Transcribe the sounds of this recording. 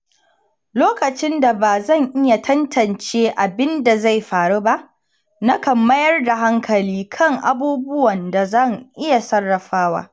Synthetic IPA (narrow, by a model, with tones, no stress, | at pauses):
loː˦kɐ˨t͡ʃɪ˦nda˨baː˨zɐ˦˨ŋʔɪ˦ja˨tʰɐ˦ntʰɐ˨nt͡ʃeː˦ʔa˨bɪ˦nda˨za˦˨jɸaː˨ɽu˦ba˦ʔ | na˦kɐ˨mːɐ˦jɐ˦rda˨ɦa˦ŋkʰɐ˨liː˦kʰɐ˦ŋʔa̰˨buː˦bʊ˦wɐ˨nda˨zɐ˦˨ŋʔɪ˦ja˨sɐ˦rːɐ˨ɸaː˦wa̰ː˦